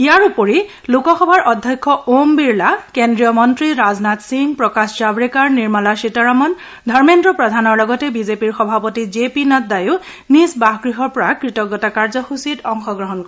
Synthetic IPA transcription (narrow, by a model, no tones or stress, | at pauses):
ijaɹupɔɹi | lukɔxɔbʱaɹʔɔdʱjɔjkʰːɔombiɹlakendɹijɔmɔntɹiɹaznatsiŋɡpɹɔkasd͡ʒabɹikaɹniɹmalasitɔɹamɔn | dʱɔɹmendɹɔpɹɔdʱanɔɹlɔɡɔtɛbizepiɹxɔbʱapɔtizepinɔt̚daju | nisbaɦɡɹiɦɔɹpɔɹakɹitɔɡɔtakaɹzɔxusitɔŋxɔɡɹɔɦɔnkɔɹ